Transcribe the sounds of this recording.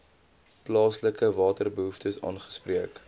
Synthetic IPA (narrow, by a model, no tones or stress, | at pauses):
plɑːsləkəvɑːtərbəɦuftəsɑ̰ːnχə̥spriək